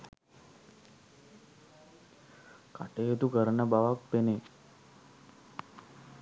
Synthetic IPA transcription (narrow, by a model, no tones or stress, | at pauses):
kaʈeːt̪ukəɾənəbaʋak̚pene